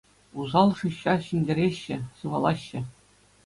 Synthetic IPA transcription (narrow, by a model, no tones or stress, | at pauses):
uzɑlˠʂɯɕːɑɕinʲdʲeɾʲeɕːɘ̆sɯʋɑlˠɑɕːɘ̆